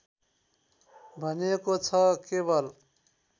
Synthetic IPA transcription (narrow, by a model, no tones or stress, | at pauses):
bʱʌnekot͡sʰʌkebʌl